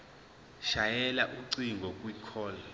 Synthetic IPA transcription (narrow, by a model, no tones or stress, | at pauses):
ʃajɛlaʔuǀiŋɡʱɔkʼwikʰɔːla